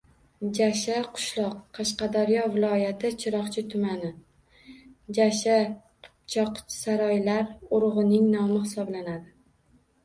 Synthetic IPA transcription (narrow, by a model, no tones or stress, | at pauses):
d͡ʒaʃaqʰʊ̥ʃlˠɒqqʰːɑʃqɑd̪aɾjɒvɪlˠɒjat̪ʰɪt͡ʃʰɪɾɒqt͡ʃʰɪt̪ʰʊmanɪ | d͡ʒaʃaqʰʊ̥pt͡ʃʰɒqsaɾɒjlaɾʊɾʁɨnɪŋnɒmɪχɪsɒblanad̪ɪ